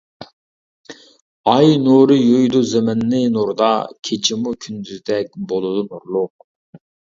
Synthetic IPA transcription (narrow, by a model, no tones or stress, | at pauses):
ɑjnuɾɨjojd̪uzemɪnːɪnuɾd̪ɑkʲʰet͡ʃʰimukʲʰynd̪yzd̪ɛk̚ʲbolˠud̪unuɾlˠʊq